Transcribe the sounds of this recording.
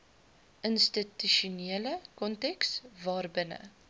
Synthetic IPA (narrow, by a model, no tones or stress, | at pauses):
ʔənstityʃuniələkɔntɛksvɑːrbənə̰